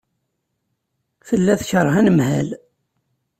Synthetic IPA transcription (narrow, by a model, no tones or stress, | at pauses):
fəlːæθçəɾˤːhænəmhæl